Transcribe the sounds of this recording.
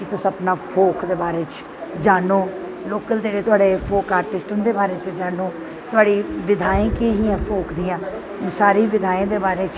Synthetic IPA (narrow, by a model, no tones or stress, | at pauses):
kɪt̪ʊsəpnaːpʰoːkd̪eːbaːɾeːt͡ʃ | d͡ʒaːnoː | loːkəld͡ʒeːɽeːt̪ʊaːɖeːpʰoːkaːɾʈɪsʈənd̪eːbaːɾeːt͡ʃd͡ʒaːnoː | t̪ʊɦaːɽiːʋɪd̪ʱaːẽːkeɦiːãːpʰoːkd̪ijãː | saːɾiːʋɪd̪ʱaːẽːd̪eːbaːɾeːt͡ʃ